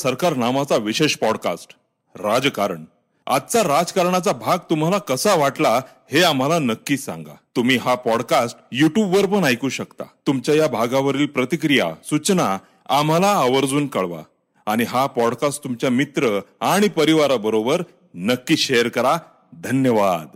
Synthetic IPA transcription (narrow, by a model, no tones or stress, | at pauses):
səɾkaɾnamat͡saʋiɕeɕpɔɽka̰sʈ | ɾad͡zkaɾəɳ | a̰t̪t͡saɾad͡zkaɾɳat͡sabʱaɡ̚t̪um̤alakəsaʋaʈla | heam̤alanəkːiːsã̰ŋɡa̰t̪um̤iːɦapɔɽkasʈjuʈjubʋəɾpəɳajkuːɕəkt̪a̰t̪umt͡ɕjajabʱaɡãʋəɾiːlpɾət̪ikɾija̰sut͡ɕna | am̤alaəʋəɾd͡zuːnkəɭʋa̰ | aɽ̃iɦapɔɽkasʈt̪umt͡ɕjamit̪ɾəaɽ̃ipəɾiʋaɾabəɾobəɾ | nəkːiːɕejəɾkəɾa | d̪ʱənjəʋad̪